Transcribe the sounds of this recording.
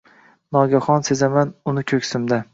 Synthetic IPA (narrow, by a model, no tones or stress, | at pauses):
nɒɡʲaχɒnsezamanʊnɪkʲʰɵkʲsɪmd̪a